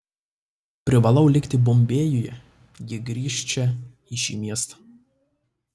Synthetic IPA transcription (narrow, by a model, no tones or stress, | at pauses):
pʲɾʲɪʋɐlˠɒʊlʲɪkt̪ʲɪbɔmʲbʲeːjʊjɛ | ɡʲɪɡɾʲiːʃʲt͡ʃʲɛ | ɪʃʲḭːmʲiɛst̪ɐ̥